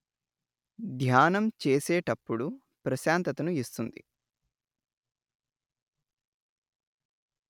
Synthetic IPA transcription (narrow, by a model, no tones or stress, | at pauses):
d̪ʱjaːnɐmt͡ʃeːseːʈɐpːuɽu | pɾɐʃaːnt̪ɐt̪ɐnuist̪und̪ḭ